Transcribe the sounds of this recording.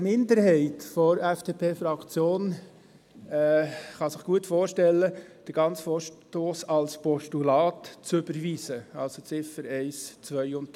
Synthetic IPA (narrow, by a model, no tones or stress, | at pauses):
mɪndəɾhɛɪtfɔɾɛfd̥eːpʰeːfɾɑkt͡sjoːn | ɛχɑsɪχɡ̥uətfoːɾʃtɛlːə | d̥əɾɡ̥ɑnt͡sfoːɾʃtoːsɑlspɔʃtulɑːtt͡sʏbəɾʋiːsəɑlsot͡sɪfəɾɛɪst͡sʋœjʊnt̚